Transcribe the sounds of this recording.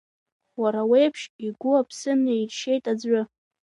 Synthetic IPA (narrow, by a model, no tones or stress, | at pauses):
waɾawe̞jpʰʃiɡʷʊapʰsɨnejʃe̞jtʼad͡zʷʊ